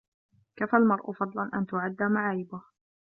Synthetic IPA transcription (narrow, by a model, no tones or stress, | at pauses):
kafalmɑɾˤʔʊfɑd̪ˤlɑnʔa̰nt̪ʊʕad̪ːaːmaʕaːjɪbʊh